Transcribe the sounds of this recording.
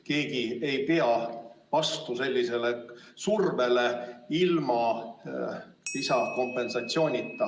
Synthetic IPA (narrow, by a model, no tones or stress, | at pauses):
ke̞ːɡ̥ie̞jpeɑvɑst̪use̞lʲːise̞le̞surve̞le̞ilmɑ | isɑko̞mpːˑe̞nsɑt̪sio̞ːnʲit̪ˑːɑ